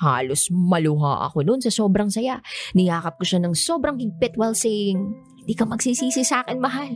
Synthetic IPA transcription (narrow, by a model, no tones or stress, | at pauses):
ha̰ːlosmɐlʊɦa̰ʔɐ̰ko̞nonsɐso̞ːbɾɐŋsɐjaʔnɪjaːkɐp̚kʊʃanɐŋso̞ːbɾɐŋɡɪɡ̚pɪt̪wɛlsɛŋ | hɪnd̪iːkɐmɐɡ̚sisiːsɪsaːkɛnmɐɦal